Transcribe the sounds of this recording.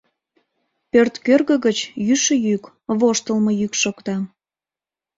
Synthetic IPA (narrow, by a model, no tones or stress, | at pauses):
pørt̪kørɣə̆ɣət͡ɕjyʃəjyk | βoʃt̪əlməjykʃokt̪ɑ